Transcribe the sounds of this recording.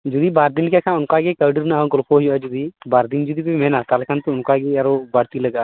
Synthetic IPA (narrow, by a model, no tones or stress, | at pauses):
d͡ʒud̪ibaːɾd̪ɪnkekʰãːʊnkaːɡekəːɖəɾnaɦɔ̃ɡɔlpʰoɦijad͡ʒud̪iːbaːɾd̪ɪnd͡ʒud̪ipemɛnat̪alkʰant̪uʊnkaɡeɐɾobaːɽt̪iləɡaː